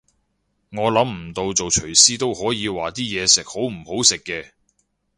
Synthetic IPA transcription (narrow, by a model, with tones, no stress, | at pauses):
ŋɔː˨˧lɐ˨˥m̩˨˩t̪o˧wt͡so˨wʰɵ˨˩ɥsiː˥t̪o˥whɔː˨˥jiː˨˧waː˨t̪iː˥jɛː˨˧sɪ˨k̚ho˨˥wm̩˨˩ho˨˥wsɪ˨kːɛː˧